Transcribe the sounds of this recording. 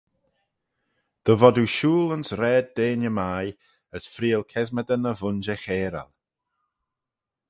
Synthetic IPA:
d̪̥əvɔduʃuːlənsɾɛːd̚deːnəmaːj | əsfɾiːəlˠkʰɛzməd̪ənəvʊnd͡ʒɛxeːɾa̰lˠ

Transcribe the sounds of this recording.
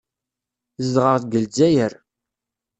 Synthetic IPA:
zədʁəʁθɡəld͡zæjəɾ

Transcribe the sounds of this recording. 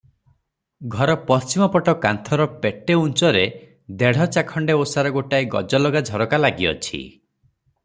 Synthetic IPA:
ɡʱɔɾɔpɔst͡ʃimɔpɔʈɔkant̪ʰɔɾɔpeʈeunt͡ʃɔɾe | d̪eɽ̤ɔt͡ʃakʰɔɳɖeosaɾɔɡoʈajɡɔ̰d͡ʒɔlɔɡad͡ʒʱɔɾɔkalaɡiɔ̰t͡ʃʰḭ

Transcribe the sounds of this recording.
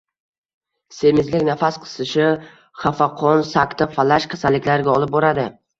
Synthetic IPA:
se̞mɪzlɪkʲnafasqʰɨ̥sɪʃɪ | χafaqʰɔnsakʲt̪afalaʃqʲʰḁsalɪkʲlaɾɡʲaɒlˠɪp̚boɾad̪ɪ

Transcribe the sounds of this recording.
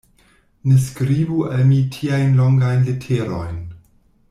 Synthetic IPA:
neskɾibualmitʰiajnloŋɡajnletʰeɾo̰jn

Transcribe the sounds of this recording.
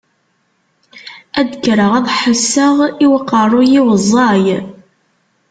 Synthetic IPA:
æd̪kɾəʁæðħəsːəʁiwəqːərˤːʊjiwəzˤːɑj

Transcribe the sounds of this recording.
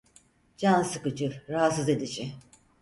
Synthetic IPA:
d͡ʒansɯkɯd͡ʒɯɾaɦat̪sɯze̞d̪id͡ʒɪ

